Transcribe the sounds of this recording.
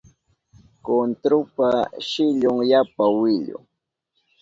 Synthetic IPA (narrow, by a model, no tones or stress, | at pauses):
kont̪ɾʊpaʃɪʎʊŋjapawɪʎʊ̰